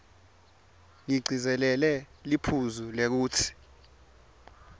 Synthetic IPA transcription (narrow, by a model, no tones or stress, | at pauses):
ŋiɡ͡ǀʱizɛlɛlɛ | lipʰuzulek̬uːtʰi̥